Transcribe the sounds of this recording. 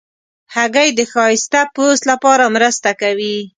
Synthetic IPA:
haɡajd̪əxɑɪst̪apost̪lapɑɾamɾəst̪akawi

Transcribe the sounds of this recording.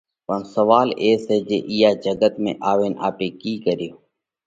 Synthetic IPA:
pənsəʋaːleːseːd͡ʒeːʔiːaːd͡ʒəɡət̪mḛ̃ːʔaːʋeːnaːpeːkiːkəɾijoː

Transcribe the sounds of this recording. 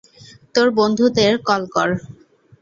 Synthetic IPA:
t̪oɾbond̪ʱud̪eɾkɔlkɔɾ

